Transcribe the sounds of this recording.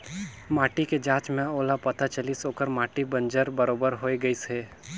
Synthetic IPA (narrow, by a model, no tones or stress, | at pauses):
maːʈiked͡ʒãːt͡ʃmẽoːlapɐt̪at͡ʃəlisoːkəɾmaːʈibə̃nd͡ʒəɾbəɾoːbəɾɦoːiɡəiseː